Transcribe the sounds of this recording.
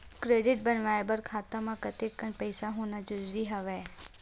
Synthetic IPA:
kɾeːɖɪʈ̚bənʋaːebəɾkʰaːt̪amãkət̪ekːənpəɪsaɦoːnad͡ʒəɾuːɾiɦəʋeː

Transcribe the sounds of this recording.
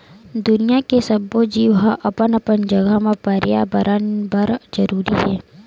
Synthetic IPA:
d̪ʊnijakesɐbod͡ʒiːʋɦaʔɐpənɐpənd͡ʒɐɡəmẽpəɾja̰bəɾʔənbəɾd͡ʒɐɾuːɾiɦɛː

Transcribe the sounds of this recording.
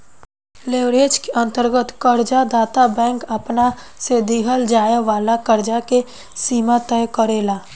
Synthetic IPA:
leːʋɾeːd͡ʒkeʔə̃nt̪əɾɡət̪kəɾd͡ʒad̪aːt̪abɛ̃ːŋkɐpna | sed̪iːɦəld͡ʒaːjeʋaːlakəɾd͡ʒake | siːmat̪ɛːjkəɾeːlaː

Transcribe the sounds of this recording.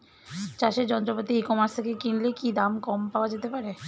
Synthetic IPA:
t͡ɕaʃeɾd͡ʑɔnt̪̬ɾopot̪iekɔmaɾt̪ʰekekinlekid̪amkɔmpaoad͡ʑet̪epaɾe

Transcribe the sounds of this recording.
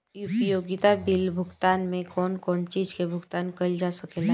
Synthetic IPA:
ʊpjoːɡɪt̪abɪlbʱʊɡt̪aːnmẽkɔːnkɔːnt͡ʃiːd͡ʒkebʱʊɡt̪aːnkəld͡ʒaːsəkeːla

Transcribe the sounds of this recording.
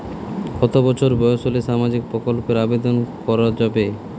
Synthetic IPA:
kɔt̪obɔt͡ɕʰoɾbɔjosoleʃamad͡ʑik̚pɾokolpeɾabed̪onkɔɾad͡ʑabe

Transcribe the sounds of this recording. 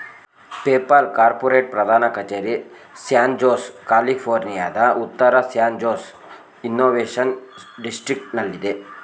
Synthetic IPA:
peːpɐlkaːɾpoːɾeːʈ̚pɾɐd̪ʱaːnɐkɐt͡ʃeːɾi | sjaːnd͡ʒoːskaːlipʰoːɾnija̰ːd̪ɐʔut̪ːɐɾɐsjaːnd͡ʒoːs | inːoːʋeːʂɐnɖisʈɾik̚ʈnɐlːid̪e

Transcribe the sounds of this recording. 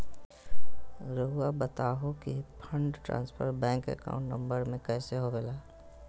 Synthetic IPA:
ɾəɦuabət̪aːɦokipʰə̃ɳɖʈɾã̰ːnspʰə̰ɾbɛ̃ːŋkɛ̰ka̰ʊ̃ɳʈnə̃mbəɾmẽkɛːseɦobelaː

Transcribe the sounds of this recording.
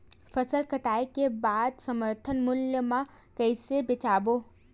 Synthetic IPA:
fʰəsəlkəʈaːekebaːd̪səməɾt̪ʰənmʊljəmã | kəɪsebɪt͡ʃaːboː

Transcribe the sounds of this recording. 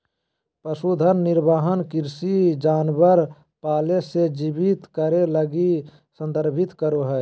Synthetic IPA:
pəsud̪ʱənːɪɾbaːɦənkɪɾsid͡ʒaːnbəɾ | paːlesed͡ʒibit̪kəɾeləɡi | sə̃nd̪əɾbʱɪt̪kəɾoɦɛ

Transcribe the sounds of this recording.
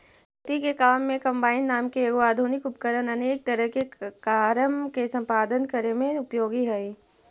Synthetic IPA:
st̪ikekaːmːẽkɐ̃mbaːɪnːaːmkeːɡoaːd̪ʱuːnɪkʊpkəɾənɐneːk̚t̪əɾəɦkekaːɾəmkesɐ̃mpaːd̪ənkəɾemẽʊpjoːɡiɦɛi

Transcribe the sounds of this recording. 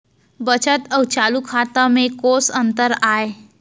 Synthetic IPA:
bət͡ɕət̪əwt͡ɕalukʰat̪amekosənt̪əɾae

